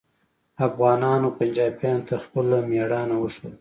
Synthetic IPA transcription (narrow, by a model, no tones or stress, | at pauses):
afɣɑːnɑnopand͡ʒɑbjɑnt̪axpəlamjɑɽɑnawəʂwəl